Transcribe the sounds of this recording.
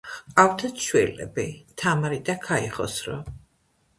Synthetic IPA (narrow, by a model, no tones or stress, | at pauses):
qʼawt̪ʰat̪ʃwɛlɛ̰bit̪ʰamɾid̪akʰaiχɔ̰sɾɔ̰